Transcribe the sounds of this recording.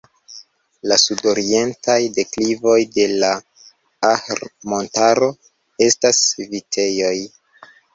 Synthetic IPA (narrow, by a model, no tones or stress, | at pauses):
lasudo̞ɾie̞ntʰajde̞klivo̞jde̞la | ahɾmo̞ntaɾo̞ | e̞stasvitʰe̞jo̞j